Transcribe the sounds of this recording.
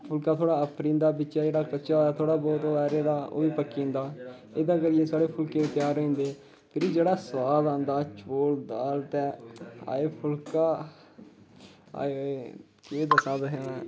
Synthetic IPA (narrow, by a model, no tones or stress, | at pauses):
pʰʊlkãːt̪ʰoːɽaːəpʰɾĩːnd̪aːbɪːt͡ʃaːd͡ʒeːɽaːkət͡ʃaːɛːt̪ʰoːɽaːbɔːt̪oɛːɾeːd̪aːo̰ːʋiːpəkːĩːnd̪aː | eːd̪aːkəɾɪjeːsaːɽeːpʰʊlkeːeːt̪ɪjaːɾoĩːnd̪eː | pʰɪɾiːd͡ʒeːɽaːswaːd̪ãːnd̪aːt͡ʃʰoːld̪aːlt̪ɛ̃ːa̰ːeːpʰʊlkaː | a̰ːeoeː | kɪeːd̪əsãːd̪əɦeːnɛ̃ː